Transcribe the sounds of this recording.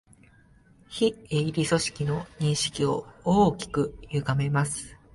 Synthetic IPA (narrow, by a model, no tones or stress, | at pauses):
çieiɾʲiso̞ɕi̥kʲino̞ɲ̟ĩɰ̃ɕi̥kʲio̞oːkʲi̥kɯ̟jɯ̟ɡame̞masɨ̥